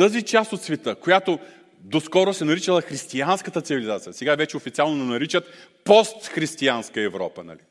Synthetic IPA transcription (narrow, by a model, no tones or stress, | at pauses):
t̪əzit͡ʃast̪ot̪svɛt̪əkojat̪o | d̪oskɔɾosɛnɐɾit͡ʃəlˠɐxɾist̪ianskət̪ət̪sivilʲizat̪sijəsɛɡavɛt͡ʃɛofit̪sialˠnonɛnɐɾit͡ʃət̪pɔst̪xɾist̪ianskəɛvɾɔ̰pənɐ̰lḭ